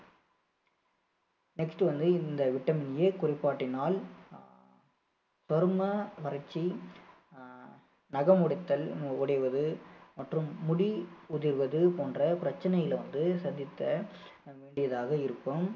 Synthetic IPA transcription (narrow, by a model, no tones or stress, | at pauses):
nɛksʈʋɐnd̪ɯɪnd̪ɐʋɪʈːɐmɪnjekʊrɪpːaːʈːɪnaːl | sɔɾɯmɐʋɐɾɐt͡ʃːi | nɐɣɐmʊɽɪt̪ːɐlʊɽɐjʋɐðɯmɐʈrɯmːʊɽiʊðɪɾʋɐðɯpoːndrɐpɪɾɐt͡ʃːɐnɐjɪlʋɐnd̪ɯsɐd̪ːɪt̪ːɐ | ʋeːɳɖɪjɐðaːɣɐɪɾɯkːɯm